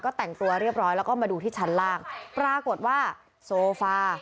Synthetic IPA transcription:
kɔː˥˩t̪ɛ˨˩ŋt̪u˧ɐɾi˥˩əp̚ɾɔː˦˥jlɛː˦˥wkɔː˥˩maː˧duː˧t̪ʰiː˥˩t͡ɕʰa˦˥nlaː˥˩ŋpɾaː˧ko˨˩t̪̚waː˥˩ | soː˧faː˧

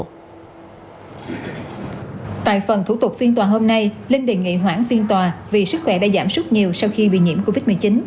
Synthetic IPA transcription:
t̪a̰ː˧˨jfə˨˩nt̪ʰu˧˩˥t̪ʊ˨˩k̚fi˧ənt̪waː˨˩ɦo˧mna˧jle˧nɗe˨˩nŋḭ˧˨ɦwaː˧˥ŋfi˧ənt̪waː˨˩vi˨˩sɨ˦˥k̚xwɛ˧˩ɗa̰ː˧˥zaː˧˩msʊ˦˥t̚ɲi˨˩əwsa˧wxi˧ɓḭ˧˨ɲḭ˧˥əmko˧vi˦˥t̚mɨ˨˩əjt͡ɕi˨˦n

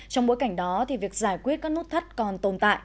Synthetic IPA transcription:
t͡ɕɔ˧wŋ͡mɓo˨˦jka˧˩jŋ̟ɗɔ˨˦t̪ʰi˨˩vi˨˩ək̚zaː˧˩jkwi˦˥ət̚kaː˦˥k̚nu˦˥t̚t̪ʰə˦˥t̚kɔ˨˩nt̪o˨˧˩nt̪a̰ː˧˨j

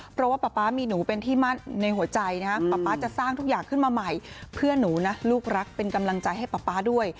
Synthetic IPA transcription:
pʰɾɔ˦˥waː˥˩pa˨˩pːaː˦˥miː˧nuː˩˦pe˧nt̪ʰiː˥˩ma˥˩nna˧jhu˩˦ɐt͡ɕa˧jna˦˥kʰa˦˥pa˨pːaː˦˥t͡ɕa˨˩saː˥˩ŋt̪ʰu˦˥k̚jaː˨˩ŋkʰɯ˥˩nmaː˧ma˨˩jpʰɯ˥˩ənuː˩˦na˦˥luː˥˩k̚ɾa˦˥k̚pe˧nka˧mla˧ŋt͡ɕa˧jɦa˥˩jpa˨˩pːaː˦˥du˥˩əj

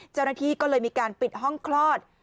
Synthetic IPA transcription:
t͡ɕa˥˩wnaː˥t̪ʰiː˥˩kɔː˥˩lɤː˧jmiː˧kaː˧npi˨˩t̪̚ɦɔ˥˩ŋkʰlɔː˥˩t̪̚

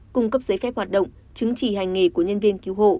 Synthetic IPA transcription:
kʊ˧ŋ͡mkə˦˥p̚zəː˨˦jfɛ˦˥p̚hwaː˨˩t̚ɗə̰˧˨wŋ͡m | t͡ɕɨ˨˦ŋt͡ɕi˧˩˨ha˨˩jŋ̟ŋe˨˩ku˧˩əɲə˧nvi˧ənki˨˦wɦo̰˧˨

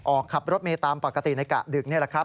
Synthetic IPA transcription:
ʔɔː˨˩kʰːa˨˩p̚ɾo˦˥t̪̚meː˧t̪aː˧mpa˨˩ka˧t̪i˨˩na˧jka̰˨˩dɯ˨˩k̚ni˥˩əla˧˩kʰɾp̚

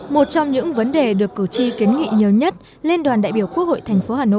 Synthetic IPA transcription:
mo˨˩t̚t͡ɕɔ˧wŋ͡mɲɨ̰˧˥ŋvə˨˦nɗe˨˩ɗɨ˨˩əkːɨ˧˩t͡ɕi˧ki˨˦nŋḭ˧˨ɲi˨˩əwɲə˦˥t̚ | le˧nɗwaː˨˩nɗa̰ː˧˨jɓi˧˩əwku˦˥ək̚ho̰˧˨jt̪ʰɛ˨˩jŋ̟fo˨˦haː˨˩no̰˧˨

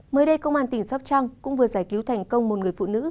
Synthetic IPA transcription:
məː˨˦jɗə˧jkə˧wŋ͡mʔaː˧nt̪ï˨˩ŋ̟sa˦˥p̚t͡ɕa˧ŋkʊ̰˧˥ŋ͡mvɨ˨˩əzaː˧˩jki˨˦wt̪ʰa˨˩jŋ̟kə˧wŋ͡mmo˨˩t̚ŋɨ˨˩əjfṵ˧˨nɨ̰˧˥

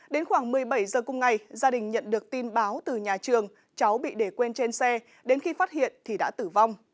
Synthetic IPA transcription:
ɗe˨˦nxwaː˧˩ŋmɨ˨˩əjɓə˧˩jzəː˨˩kʊ˨˧˩ŋ͡mŋa˨˩jzaː˧ɗï˨˩ŋ̟ɲə̰˧˨nɗɨ˨˩ək̚t̪i˧nɓaː˨˦wt̪ɨ˨˩ɲaː˨˩t͡ɕɨ˨˩əŋ | t͡ɕa˨˦wɓḭ˧˨ɗe˧˩kwe˧nt͡ɕe˧nsɛ˧ | ɗe˨˦nxi˧faː˦˥t̚hḭ˧˨ənt̪ʰi˨˩ɗa̰ː˧˥t̪ɨ˧˩va˧wŋ͡m

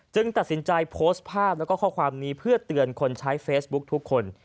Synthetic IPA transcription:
t͡ɕɯ˧ŋt̪a˨˩t̪̚si˩˦nt͡ɕa˧jpʰoː˦˥st̪̚pʰaː˥˩p̚lɛ˦˥wkɔː˥˩kʰɔː˥˩kʰwaː˧mniː˧˥pʰɯ˥˩ɐt̪ɯ˧ənkʰo˧nt͡ɕʰa˦˥jfeː˦˥sbu˦˥k̚t̪ʰu˦˥kʰːo˧n

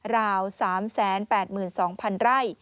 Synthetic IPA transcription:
ɾaː˧wsaː˩˦msɛː˩˦npɛː˨˩t̪̚mɯː˨˩nsɔː˩˦ŋpʰa˧nɾa˥˩j

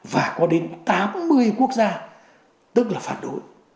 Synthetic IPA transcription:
vaː˨˩kɔ˨˦ɗe˨˦nt̪aː˨˦mːɨ˧əjku˦˥ək̚zaː˧ | t̪ɨ˦˥k̚laː˨˩faː˧˩n̚ɗo̰˨˧˨j

